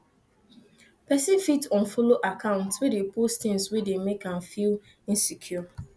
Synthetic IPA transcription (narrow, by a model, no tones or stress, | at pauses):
pɛsifitʰɔ̃nfoloʔakʰãʊ̃ntswedepostɪ̃nswedemekãnfil | ĩnsikʰjɔ